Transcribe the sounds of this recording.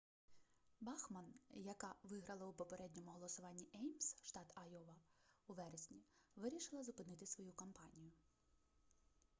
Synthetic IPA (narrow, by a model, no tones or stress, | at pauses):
bɑxmɐnjɐkɑʋɪɦɾɐlˠɐupɔpeɾɛdʲnʲɔmʊɦɔlˠɔsʊʋɑnʲːiʔɛjmsʃt̪ɑt̪ɐjɔʋɐuʋɛɾesʲnʲiʋɪɾʲiʃɪlˠɐzʊpɪnɪt̪ɪsʋɔjukɐmpɑnʲijʊ